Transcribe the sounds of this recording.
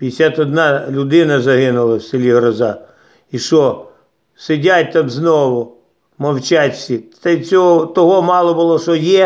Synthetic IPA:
pʲijesʲat̪ɔd̪nɑlʲʊd̪ɪnɐzɐɦɪnʊlˠɐwsʲɪlʲiɦɾɔzɑ | iʃɔ | sɪdʲatʲt̪ɑmznɔʋʊ | mɐwt͡ʃatʲsʲit̪ɛt͡sʲɔɦɔt̪ɔɦɔmɑlˠɔbʊlˠɔʃɔjɛ

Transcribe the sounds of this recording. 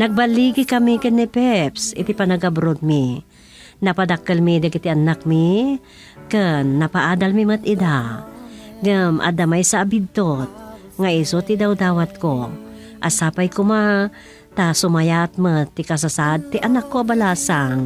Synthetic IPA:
nɐɡ̚baliɡɪkɐmikɨnːipɛpsɪ̰t̪ipanaɡabɾod̪̚mi | nɐpad̪akəlmid̪aɡɪt̪iʔanak̚mi | kɨnːɐpaʔaːd̪almimɨt̪ɪd̪a | ɡɐmʔa̰d̪amajsaːbid̪̚t̪ot̪̚ | ŋaʔisot̪ɪd̪awd̪aːwat̪̚ko | ʔasaːpajkʊma | t̪asʊmajat̪̚mət̪ːɪkas̬asad̪̚t̪iʔanakːoabalaːsaŋ

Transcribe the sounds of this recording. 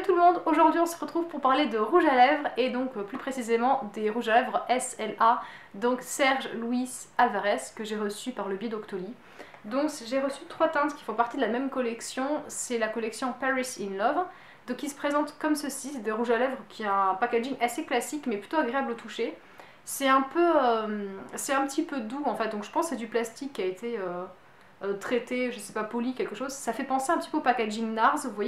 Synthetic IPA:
t̪uləmɔ̃d̪oʒuʁd̪ɥiɔ̃səʁət̪χuvpuʁpaʁled̪əʁuʒalɛvʁed̪ɔ̃kplypχesizemɑ̃d̪eʁuʒalɛvʁɛsɛla | d̪ɔ̃ksɛʁʒluisalvaʁɛskəʒeʁəsypaʁləbjed̪ɔkt̪oli | d̪ɔ̃kʒeʁəsyt̪χwat̪ɛ̃t̪kʲi̥fɔ̃paʁt̪id̪əlamɛmkɔlɛksjɔ̃sɛlakɔlɛksjɔ̃paʁisinlɔv | d̪ɔkʲisə̥pχezɑ̃t̪kɔmsəsisɛt̪aiʁuʒalɛvʁəkʲʰiɛɛ̃pakaʒiŋʔaseklasikmɛply̥t̪oaɡʁeablot̪ʰuʃe | sɛɛ̃pøøømsɛɛ̃pət̪ʰipød̪uɑ̃fɛt̪̚d̪ɔ̃kʒə̥pɑ̃sːsɛd̪yplast̪ikʲːiaet̪ʰeø | øt̪χet̪eʒəsɛpapɔlikʲɛlkəʃozsafɛpɑ̃seɛ̃pət̪i̥pøopakaʒiŋnaʁzuvwaj

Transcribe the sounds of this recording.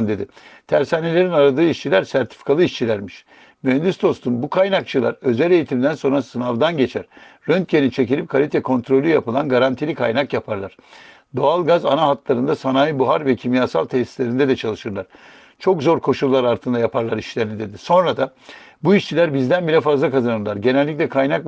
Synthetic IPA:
nd̪e̞d̪i | t̪ʰæɾsaːnelʲe̞ɾinaɾad̪ɯːiʃt͡ʃʰilʲæɾsæɾt̪ʰi̥fi̥kʰalˠɯiʃt͡ʃʰilʲæɾmiʃ | myøɛnd̪yst̪o̞st̪ʰumbukʰajnakt͡ʃʰɯlˠa̰ɾø̞zælʲe̞jit̪ʰimd̪ænso̞nɾasɯnavd̪anɟe̞t͡ʃʰæ̰ɾ̥ | ɾønt̪cenit͡ʃʰe̞cilʲip̚kʰalʲit̪ʰɛkʰo̞nt̪ʰɾo̞lʲyjapɯlˠanɡaɾant̪ʰilʲikʰajnakjapʰaɾlˠaɾ̥ | d̪o̞alˠɡaza̰naɦat̪lˠaɾɯnd̪asanaːjibuɦaɾvɛcʰimjaːsa̰lˠt̪ʰɛsi̥slʲe̞ɾind̪ɛd̪ɛt͡ʃʰalˠɯʃɯɾlˠaɾ̥ | t͡ʃʰo̞kzo̞ɾkʰo̞ʃulˠːaɾaɾt̪ʰɯnd̪ajapʰaɾlˠaɾiʃlʲeɾinid̪e̞d̪iso̞nɾad̪a | buiʃt͡ʃʰilʲæɾbizd̪ænbiɾʲɛfazlˠakʰazanɯɾlˠaɾɟe̞nɛlʲːic̬lʲɛkʰajnak

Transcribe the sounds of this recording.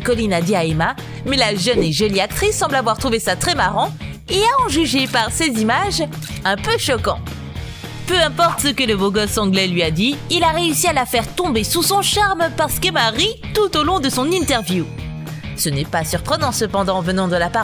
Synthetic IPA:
kɔlinad̪iaema | mɛlaʒəneʒɔliak̚t̪χisːɑ̃blavwaʁt̪χuvesat̪χɛmaʁɑ̃ | eaɑ̃ʒyʒepaʁsezimaʒɛ̃pøʃɔkɑ̃t̪ | pøɛ̃pɔʁt̪səkələvoɡɔsɑ̃ɡlɛlɥiad̪iːlaʁeysialafɛʁt̪ɔ̃besusɔ̃ʃaʁmpaʁsə̥kɛmaʁit̪ut̪olɔ̃d̪əsɔ̃nĩt̪ɛʁvju | sənɛpasyʁpχənɑ̃səpɑ̃d̪ɑ̃vənɑ̃d̪əlapa

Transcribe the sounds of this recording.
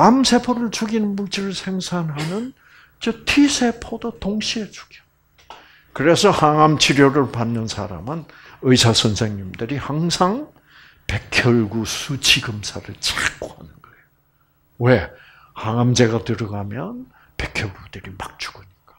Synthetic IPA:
amsʰe̞pʰoɾɯɭt͡ɕuɡinɯnmut͡ɕʰiɾɯɭsʰe̞ŋsʰanɦanɯn | t͡ɕʌtʰisʰe̞pʰodotoŋɕʰiet͡ɕu̥ɡiʌ | kɯɾe̞sʰʌhaŋamt͡ɕʰiɾjoɾɯɭpanːɯnsʰa̰ɾa̰mɯnɯisʰasʰʌnsʰe̞ŋɲimdɯɾihaŋsʰaŋ | pe̞kʰjʌɭɡusʰut͡ɕʰiɡɯmsʰadɯɭt͡ɕak͈ohanɯnɡ̥ʌejo | we | haŋamd͡ʑe̞ɡatɯɾʌɡamjʌn | pe̞kʰjʌɭɡud̥ɯɾimak̚t͡ɕ͈u̥ɡ̥ɯɲik͈ḁ

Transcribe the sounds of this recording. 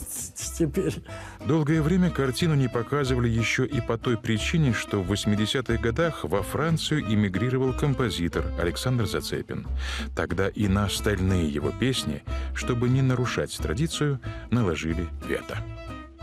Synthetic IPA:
tʲɪpʲeɾʲd̪o̞lˠɡəjəvɾʲemʲəkɐrtʲinʊnʲɪpɐkazɨvəlʲɪjɪɕːoʔipɐt̪o̞jpɾʲɪt͡ɕinʲɪʂt̪ovːəsʲmʲɪdʲɪsʲat̪ɨɣɡɐd̪axvɐfɾant̪sɨjʊʔɪmʲɪɡɾʲiɾəvəlˠkəmpɐzʲit̪ərɐ̰lʲɪksand̪rzɐt̪sɛ̰pʲɪ̰nt̪ɐɡd̪aʔinəɐst̪ɐlʲnɨjəjɪ̰vo̞̰pʲesʲnʲɪ̰ʂt̪o̞bɨnʲɪnəɾʊʂa̰tʲt̪ɾɐ̰dʲit̪sɨjʊnəlˠɐʐɨlʲɪvʲḛt̪ə̥

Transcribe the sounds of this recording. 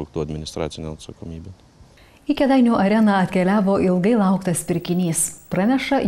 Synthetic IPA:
ʊkt̪uɐd̪ʲmʲɪnʲɪst̪ɾɑːt̪sʲɪnʲoːɐt̪sɐkomʲiːbʲe | ɪkʲɛd̪ɐɪnʲuːʔɐɾʲɛnɑɐt̪ʲkʲɛlʲæːʋoːʔɪlˠɡɐɪlˠɐˑʊkt̪ɐspʲɪɾʲkʲɪnʲiːspɾɑnʲɛʃɐ

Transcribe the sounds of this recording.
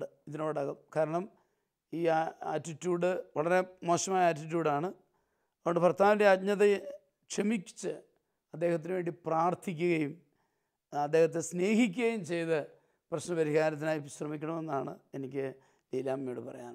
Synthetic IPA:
ɨiðino̞ːɽɐɣɐmkaːɾɐɳɐm | iːa̰ːtːitːjuːɽɨʋɐɭɐɾe̞mo̞ːɕɐmaːjɐaːtːit̬juːɽaːɳɨ | ɐoɳɖɨpɐrt̪ʰaːʋndeatɲɐðe | kʂɐmikʲːt͡ɕːɨ | ɐd̪ːe̞ːhɐt̪̬ːinɨʋe̞ːɳɖipraːrt̪ʰik̬ʲːuɣɐjum | ɐd̪ːeːhɐt̪ːesne̞ːɦikʲːuɣɐjumt͡ɕe̞jt̪ɨ | prɐɕnɐpɐɾiɣaːɾɐt̪̬ːinaːjiɕrɐmikʲːɐɳɐme̞nːaːɳɨ̰e̞nikʲːɨ | liːlaːmːiɽɨpɐrɐ̰ja̰ːn

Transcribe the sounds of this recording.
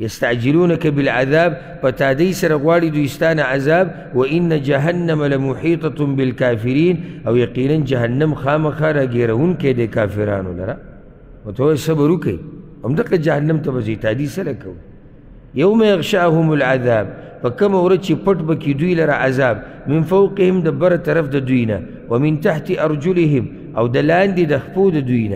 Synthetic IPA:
jɐst̪aʕd͡ʒiluːnɐkɐbilʕaðaːb̚ | fɐt̪aːd̪ɐjsɐɾɐɣwaːlid̪uist̪aːnaʕazaːb | wɐʔinːad͡ʒaɦɐnːɐmalamuħiːt̪ˤɑbilkaːfiɾiːnʔawjɐqiːnɐnd͡ʒɐhɐnːɐmxaːmɐxaːɾaɡeːɾɐhunked̪ekaːfiɾa̰ːnṵlɐ̰ɾa | wat̪ɐwasɐbɐɾukɐ̰j | ʔamd̪aqɐd͡ʒahɐnːamt̪ɐbazit̪aːd̪iːsɐlɐkɐw | jawmajɐɣʃaʔhumulʕaðaːb̚ | fɐkɐmawɾɐt͡ʃipɐʈbɐkid̪wiːlɐɾaʔazaːb | minfɐwqɪhimd̪ɐbːɐɾˤat̪ɐɾɐfd̪ɐd̪iːna̰ | wɐmint̪aħt̪iʔɑɾˤd͡ʒuliɦim | ʔawd̪ɐlaːnd̪id̪ɐxfuːd̪ɐd̪iːna̰

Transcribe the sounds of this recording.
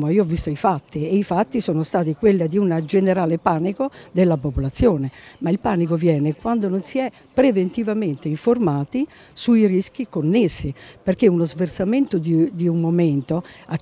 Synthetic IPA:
moiːoɔvːist̪oifat̪ːieifat̪ːisoːnost̪aːt̪̬ikwelːad̪iunad͡ʒeneɾaːlepaːnikod̪elːapopolat̪sːjɔːnemailpaːnikovjɛːnekwand̪ononsiɛ | pːɾevent̪ivament̪eiɱformaːt̪i | suirisk̟ikonːesːiperk̟eunozvert̪sament̪od̪id̪iummoment̪oa

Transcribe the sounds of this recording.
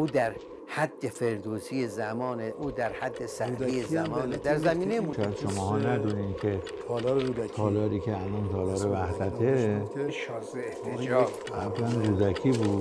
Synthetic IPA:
uːd̪æɾ | hæd̪ːefeɾd̪oːsijezæmɒːneʔuːd̪æɾhæd̪ːesæɾijezæmɒːned̪æɾzæmiːnejmʃed̪ʃomɒːhɒːnæd̪uniːmkʲʰe | t̪ʰɒːlɔɾud̪æt̪ʰɒːlɒːɾiːkʰʲeælɒnt̪ʰɒːlɒːɾevæhd̪æt̪ʰeʃzeeht̪ʰeid͡ʒɒː | æblænɾud̪ækʰiːbuːd̪

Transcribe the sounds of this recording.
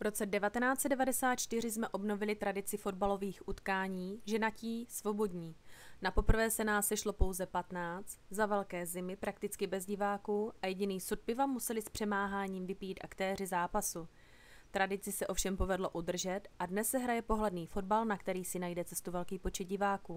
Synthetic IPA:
vɾo̞t͡sɛdɛvat̪ɛnaːt͡sɛdɛvadɛsaːt̪̚t͡ʃt̪ɪr̝ɪsmɛʔo̞bno̞vɪlɪt̪ɾadɪt͡sɪfo̞dbalo̞viːxʔut̪kaːɲiːʒɛnaciːsvo̞bo̞dɲiːnapo̞pr̩vɛːsɛnaːsːɛʃlo̞po̞wzɛpat̪naːt͡st̪zavɛlkɛːzɪmɪpɾak̚t̪ɪt͡skɪbɛzɟɪvaːkuːʔajɛɟɪniːsut̪̚pɪvamusɛlɪspr̝̥ɛmaːɦaːɲiːmvɪpijit̪ʔa̰kt̪ɛːr̝ɪzaːpasu | t̪ɾadɪt͡sɪsɛʔo̞fʃɛmpo̞vɛdlo̞ʔud̪r̩ʒɛt̪ʔadnɛsːɛɦɾajɛpo̞ɦlɛdniːfo̞d̚balnakt̪ɛɾiːsɪnajdɛt͡sɛst̪uvɛlkiːpo̞t͡ʃɛd̪̚ɟɪvaːkuː

